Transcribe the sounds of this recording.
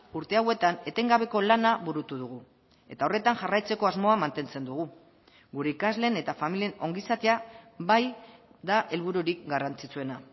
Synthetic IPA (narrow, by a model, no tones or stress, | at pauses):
uɾt̪e̞awe̞t̪ane̞t̪e̞ŋɡaβ̞e̞ko̞lanaβuɾut̪uðuɣ̞u | e̞t̪ao̞re̞t̪aŋʝarajt͡se̞ko̞azmo̞amant̪e̞nt͡se̞nd̪uɣ̞u | ɡuɾe̞ikazle̞ne̞t̪afamilie̞no̞ŋɡisat̪eaβajd̪aʔe̞lβuɾuɾik̚ɡarant͡sit͡sue̞na